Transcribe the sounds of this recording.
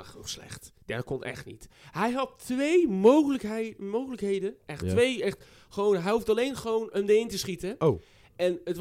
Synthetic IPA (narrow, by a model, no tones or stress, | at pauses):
axuslɛ̰xtd̥ɛ̰kɔnɛ̰xtnḭt | hɛjɦɑtʋejmoxləmoːxələkhejdəʔɛxtʋejɛxt | xəʋownɦɛjhuftaleːnxəʋoːnəmdəɪntəsχitəo | ɛnət